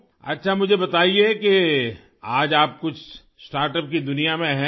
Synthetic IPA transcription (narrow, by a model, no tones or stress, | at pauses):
ɐ̰tːʃʰamʊd͡ʒʱebɐt̪aːieke | aːd͡ʒaːp̚kʊt͡ʃʰ | sʈaːɾʈəp̚kid̪ʊnijamẽɦɛ̃